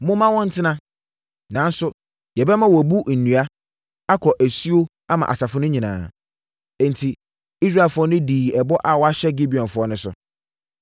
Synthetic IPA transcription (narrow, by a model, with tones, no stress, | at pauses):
mʊ̃˦mã˦wɔ̃˦n̩˦tʰɪ˦nã˦ | nã˨n˦sʊ˦ | jɛ˨bɛ˦mã˦wɔ˨æ˨bu˦n̩˨nũ˨a˦ | a˦kʰɔ˨ʔæ˨si˦o˦ | a˦mã̰˨ʔa̰˨sa˨fʊ˦nʊ̃˦ɲĩ˨nã̰ː˨ | ɛ̃˨n˨tʰi˨ | i˦s̬ɾa˦˨fʊ˨˦ɔ˦nʊ̃˦diː˨ɛ˨bɔ˦ʔa˨wɔ˨˦a˦ɕɛ˦ɡi˦bi˨ɔ̃˨nfʊ˨˦ɔ˦nʊ̃˦sʊ̰˨